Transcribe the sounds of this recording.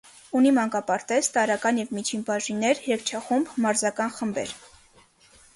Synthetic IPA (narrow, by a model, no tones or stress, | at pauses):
unimɑŋkɑpɑɾt̪ɛt͡st̪ɑɾɑkɑnjɛvmit͡ʃʰinbɑʒinɛɾhɾɛk̚t͡ʃʰɑχumbmɑɾzɑkɑnχəmbɛ̰ɾ